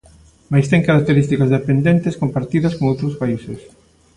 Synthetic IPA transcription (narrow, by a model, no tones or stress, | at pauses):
majst̪ɛŋkaɾak̚t̪eɾist̪ikɐzðepend̪ent̪eskompaɾt̪iðɐskoŋowt̪ɾʊspaises